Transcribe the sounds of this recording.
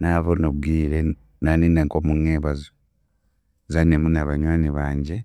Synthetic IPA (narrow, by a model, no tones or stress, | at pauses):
naβonoβɡiːɾe | naniːndaŋkomuŋːeːβazo | zanemunaβaɲwaːniβaːɲɟe